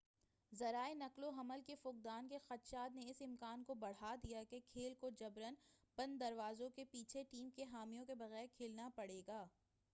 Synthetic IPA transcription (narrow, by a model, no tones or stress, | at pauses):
zɐɾaːenɐkloɦɐməlkefʊq̚d̪aːnkexɐt̪ʃaːd̪neɪsɪmkaːnkobɐɽ̤ad̪ijakekʰeːlkod͡ʒɐbɾənpɐ̃nd̪ɐɾʋaːzõkepiːt͡ʃʰeʈiːmkeɦaːmijõkebɐɣɛːɾkʰeːlnapɐɽeːɡaː